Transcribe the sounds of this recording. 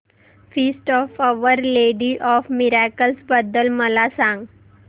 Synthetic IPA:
fiːsʈɔːfəʋəɾleːɖiʔɔːfmɪɾakəlsbəd̪əlməlasãːŋɡ

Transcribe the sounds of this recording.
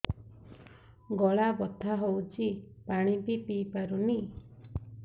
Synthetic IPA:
ɡɔɭabɔt̪ʰaɦowt͡ʃʰipaɽ̃ipipipaɾuni

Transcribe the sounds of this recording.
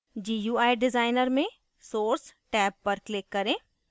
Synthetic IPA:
d͡ʒiːjuːaːɪɖɪzaːɪnəɾmẽ | soːɾsʈɛːbːɐɾklɪkːɐɾẽː

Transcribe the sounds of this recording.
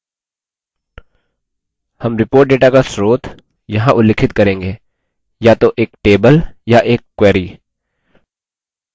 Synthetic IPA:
hɐmɾɪpoːɾʈ̚ɖeːʈakasɾoːt̪ | jɐɦãʔʊlːeːkʰɪt̪kɐɾẽːŋɡeː | jat̪oʔeːkʈeːbəljaʔeːkːwɛːɾiː

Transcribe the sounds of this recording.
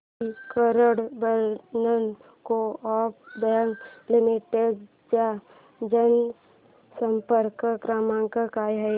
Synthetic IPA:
ikəɾəɽbəɾnən | koɔːp̚bɛ̃ŋklɪmiʈeɖ | d͡ʒa | d͡ʒən | səmpəɾkkɾaːmãŋkəkaːɦɛ

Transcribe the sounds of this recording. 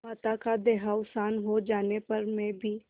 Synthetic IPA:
maːt̪akad̪eːɦaʊsaːnɦod͡ʒaːnepɐɾmẽbʱiː

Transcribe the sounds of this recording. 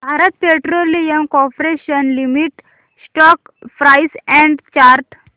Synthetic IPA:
bʱaɾət̪̚peʈɾolijəmkɔpɾeɕənlimiʈ | sʈɔk | fɾajsɛ̃ɳɖt͡ɕaɾʈ

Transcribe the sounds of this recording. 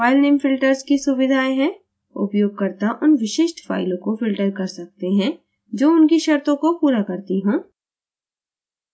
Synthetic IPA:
aːɪlneːmfɪlʈəɾzkisʊʋɪd̪ʱaːeɦɛ̃ | ʊ̰pjoːɡ̚kɐɾt̪aʔʊnʋɪʃɪːʃʈfa̰ːɪlõkofɪlʈəɾkɐɾsɐk̚t̪eɦɛ̃ | d͡ʒoːʊnkiʃɐɾt̪õkopuːɾakɐɾt̪iɦõː

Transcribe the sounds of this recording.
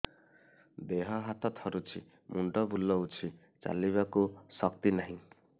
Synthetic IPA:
d̪eɦɔɦat̪ʰɔt̪ʰɔɾut͡ʃʰi | muɳɖɔbulːɔut͡ʃʰi | t͡ʃa̰liβakusʌk̚t̪inaɦĩ

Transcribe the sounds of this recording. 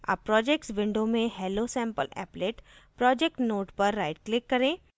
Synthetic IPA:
a̰ːpːɾɔːd͡ʒeːk̚ʈsʋɪ̃ɳɖomẽhɛːlosɛ̃ːmpə̰lɛ̰ːpleːʈpɾɔːd͡ʒeːk̚ʈnoːʈpɐɾːaːɪʈklɪkːɐɾẽː

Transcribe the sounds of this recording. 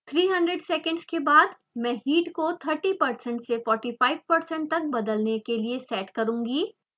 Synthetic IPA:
t̪ʰɾiːɦɐ̃ɳɖɾeɖsɛːkə̃ɳɖskebaːd̪ | mɛ̃ːhiːʈkot̪ʰəɾʈipɐɾsə̃ɳʈsefɔːɾʈiːfaːɪʋpɐɾsə̃ɳʈ̚t̪ɐk̚bɐd̪əlnekeliesɛːʈkɐɾũːŋɡiː

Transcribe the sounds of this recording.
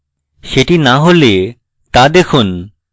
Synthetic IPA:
ʃeʈinaɦole | t̪ad̪ekʰun

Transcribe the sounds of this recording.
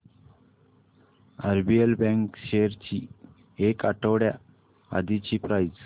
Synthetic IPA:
aɾbielbɛ̃ŋkɕeɾt͡ɕi | ekaʈəwɽja | a̰d̪it͡ɕiːpɾajd͡z

